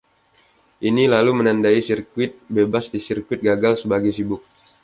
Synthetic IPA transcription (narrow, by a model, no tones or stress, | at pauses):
ʔinilalumənandaisirkuɪt̪̚bebasdisirkwɪt̪̚ɡaɡalsəbaɡajsibʊk̚